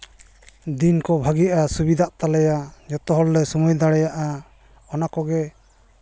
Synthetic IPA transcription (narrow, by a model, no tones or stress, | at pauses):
d̪inkɔbʱaɡijaʔasubid̪aʔt̪alɛjad͡ʒɔt̪ɔɦɔlːɛsumɔjd̪aɽɛjaʔa | ɔnakɔɡɛ